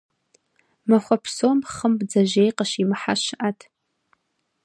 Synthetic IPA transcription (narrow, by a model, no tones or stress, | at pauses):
maχʷapʰsomχəmbd͡zaʒejqaʃimħaʃʔatʰ